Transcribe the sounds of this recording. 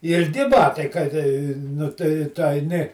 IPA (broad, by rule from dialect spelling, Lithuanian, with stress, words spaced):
ɪlʲˈɡʲɪ ˈbɑːtɐɪ kɐt ˈnʊ tɐɪ tʊ ɐɪˈnʲɪ